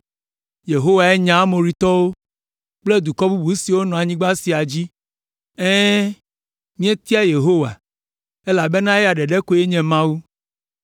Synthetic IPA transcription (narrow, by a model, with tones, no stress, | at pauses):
je˨ɦo˦wa˨e˦ɲã˨˦mo˨ɾi˨t̪ɔ˦wo˦ | k͡ple˦d̪u˨kɔ˦bu˦bu˨si˨wo˦nɔ̃˨a˨ɲĩ˦ɡ͡ba˦si˨a˨d͡ʑi˦ | ɛ̃˦ | mĩ˦e˦t̪i˦a˦je˨ɦo˦wa̰˨ | e˦la˨be˦nã˦ɛ˦a˨ɖɛ˨ɖɛ˦ko˦je˦ɲɛ̃˨mã˦wu˦